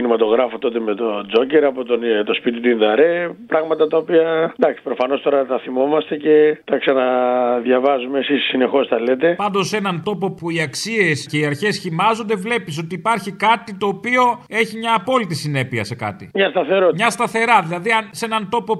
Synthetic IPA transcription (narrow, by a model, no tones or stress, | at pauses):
inimɐt̪o̞ɣɾɐfot̪o̞t̪e̞met̪od͡zo̞ceɾɐpot̪ont̪o̞spit̪it̪inðɐɾe̞pɾɐɣmɐt̪ɐt̪ɐopiɐnd̪ɐksi̥pɾofɐno̞st̪o̞ɾɐt̪ɐθimo̞mɐst̪e̞ce̞t̪ɐksɐnɐðʝɐvɐzumeːsissine̞xo̞sθɐle̞t̪e̞pɐnd̪o̞se̞nɐnt̪o̞po̞puiɐksie̞sce̞iɐɾçe̞sçimɐzond̪e̞vle̞pis̬o̞t̪iːpɐɾçikɐt̪it̪o̞ːpio̞e̞çimɲɐːpo̞lit̪isine̞piɐse̞kɐ̰t̪ḭmɲɐst̪ɐθe̞ɾomɲɐst̪ɐθe̞ɾɐðilɐðiɐnse̞nɐnt̪o̞po̞